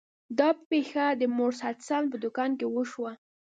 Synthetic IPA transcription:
d̪ɑpexad̪əmoɾsat̪sɑnpəd̪ʊkɑnkewəʃwa

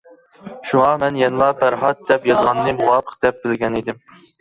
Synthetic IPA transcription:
ʃuŋɑmɛnjɛnlˠɑbʰæɾɦɑt̪̚d̪ɛpjɑzʁɑnːɨmuwɑːpʰə̥q̚d̪ɛp̚bɪlɡʲɛnid̪ɪm

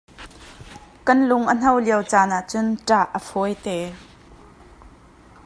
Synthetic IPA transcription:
kɐnlʊŋʔən̥ɐwliəwt͡saːnaʔt͡sʊnʈ͡ʂaʔəfɔjt̪ɛː

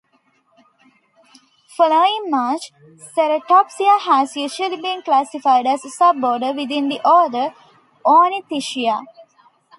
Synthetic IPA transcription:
foloĩŋmaːt͡ʃ | seɾəʈɔpsiahæzjuːʒuəlibĩːnklæsifaɪɖæzəsab̚ːɔːɖəʋid̪ĩnd̪iʔɔd̪ə | õːnĩt̪iʃia

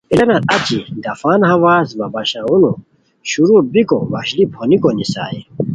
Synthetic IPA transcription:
ilɐnaɐt͡ɕid̪ɐfaːnhɐwaːsmɐbɐɕaunu | ɕuɾubikowɐɕlipʰonikonisa̰ːi

